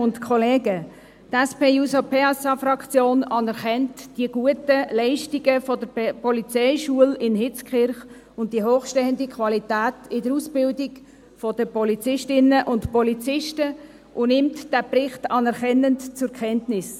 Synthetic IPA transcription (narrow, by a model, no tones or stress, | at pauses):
ʊntkʰχɔleːɡə | tɛspeːusopʰeːɑsɑfrɑkt͡sjoːnɑnɛɾχɛntd̥iəɡ̥uətəlɛɪʃtiɡəfɔdəɾpɔlit͡sɛɪʃuəlɪnɦɪt͡skχɪɾχ | ʊnt̚d̥iəɦoːχʃteːəndikʰʋwɑlitæːtɪdəɾusb̥ɪldɪɡ | fɔd̥əpɔlit͡sɪʃtɪnəʔʊntpɔlit͡sɪʃtə | ʔʊnɪmtd̥æprɪχtɑnɛɾχɛnəntt͡sʊɾkʰχɛntnɪs